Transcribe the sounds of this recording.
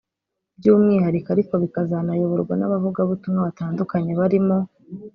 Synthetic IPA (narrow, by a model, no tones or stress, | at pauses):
bjuːmŋiːhaɾikaɾiko̞βikazanajuβuɾɡwanaβavuɡaβutumŋaβataːndukaɲe̞βaɾimo̞